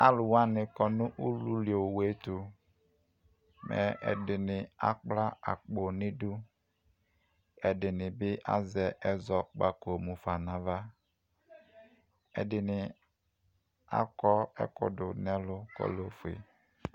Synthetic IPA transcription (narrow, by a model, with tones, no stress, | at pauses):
a˦lʊ˨wa˦nɪ˨kɔ˨nʊ˦ʔu˦lu˦li˨o˨we˦tu˨ | mɛ̰˨ɛ̰˨dɪ˨nɪ˨a̰˨k͡pla˦a̰˨k͡po˨nɪ˦du˦ | ɛ˨dɪ˨nɪ˨bɪ˦ʔa̰˦zɛ˨ʔɛ˦zɔ˨k͡pa˦ko˨mu˨fa˨na˨va˦ | ɛ̰˨dɪ˨nɪ˨ | a̰˦kɔ˦ɛ̰˦kʊ̰˨dʊ˨nɛ˦lʊ˦kɔ̰˦lo˦fḛ˨